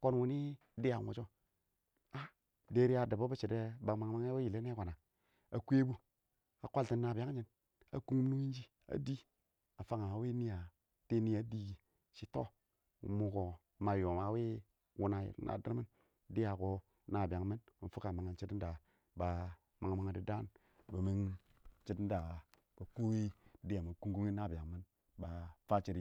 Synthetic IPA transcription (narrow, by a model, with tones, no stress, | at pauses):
ko˦nwu˨˦ni˦ | di˦ja˨ŋo̰˨t͡ʃo˦ | a˦ | de˦ɾi˦a˨da˨bo˦ba˦t͡ʃe˨de˦ba˨ma˨ŋma˦ŋe˦we˦ji˨le˦n˦e˦kʷa˨na˨ | a˨kʷe˦bu˦ | a˨kʷa˦lti˦nːa˨bi˨a˦ŋ˦d͡ʒi˦n | a̰˨ku˦ŋ˦m˦nu˦i˦n˦d͡ʒi˦ | a̰˨di˦ | a˨fa˦ŋa˨wi˦ni˦ja˨ | te˦ni˦a˨˦di˦ɡi˨ | ʃi˦to̰˦ | wṵ˨mu˦ko˨ | ma˨jo˨ma˨˦we˦ | wu˦na˨jḭ˨ɾna̰˨di˦ɾmi˦n˦ | de˦a˨ko˦ | na˦˨ba˨ŋ˦mi˦nmi˨nfu˦ka˨ma˨ŋa˨nt͡ʃi˦tda˨ | ba˨ | ma˨ŋ˨mi˦ŋa˨di˨da˦n | bə˨mi˦n | t͡ʃi˦tn˦da˨ | b̥a˨ku˦wi˦di˦a˨mi˨ku˦ŋku˦ŋi˦na˦˨ba˨ŋmi˦n | ba˨fa˦t͡ʃi˦ɾi˨˦